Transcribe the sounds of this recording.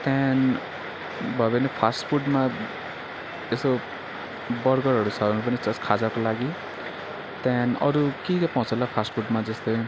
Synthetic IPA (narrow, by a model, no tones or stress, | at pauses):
t̪ɛn | bʱʌbenepʰasʈpʰuʈma | eso | bʌɾɡʌɾɦʌɾusʰanup̬ʌnit͡sʌskʰad͡zakolaɡi | t̪ɛnʌ̰ɾukikapɔ̃t͡sʌlapʰasʈpʰuɖmad͡zʌst̪ʌj